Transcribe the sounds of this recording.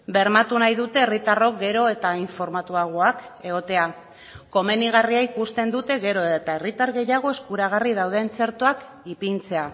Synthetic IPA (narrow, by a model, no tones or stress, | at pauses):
be̞ɾmat̪unajðut̪e̞ːrit̪aro̞k̚ɡe̞ɾo̞e̞t̪aiɱfo̞ɾmat̪uaɣ̞oake̞ɣo̞t̪e̞a | ko̞me̞niɣ̞ariaikust̪e̞nd̪ut̪e̞ɣe̞ɾo̞eet̪ae̞rit̪aɾɣe̞jaɣ̞o̞eskuɾaɣ̞arið̞awð̞e̞nt͡se̞ɾt̪oak | ipint͡se̞a